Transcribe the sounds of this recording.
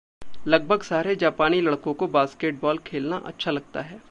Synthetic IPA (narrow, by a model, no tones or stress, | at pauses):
lɐɡ̚bʱəɡsaːɾed͡ʒaːpaːnilɐɽkõkobaːskeːʈ̚bɔːlkʰeːlna̰ʔɐ̰tːʃʰalɐɡ̚t̪a̰ɦɛː